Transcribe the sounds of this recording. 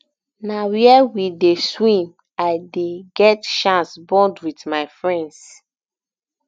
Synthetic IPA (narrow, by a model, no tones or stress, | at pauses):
nawiɛwideswĩm | aɪdeɡɛtʃãnsbɔ̃ndwitmaɪfɹɛ̃nds